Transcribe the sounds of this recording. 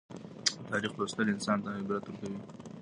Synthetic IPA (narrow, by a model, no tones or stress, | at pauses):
t̪ɑɾixpɾost̪əlɪnsɑnt̪ahɪbɾat̪wʊɾkawi